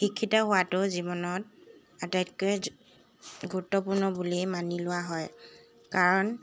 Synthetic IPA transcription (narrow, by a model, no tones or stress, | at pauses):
xikʰːitaɦʊwatʊzibɔnɔt | atajtkɛ | ɡuɹutːɔpʊɹnɔbulimanilʊwaɦɔj | kaɹɔn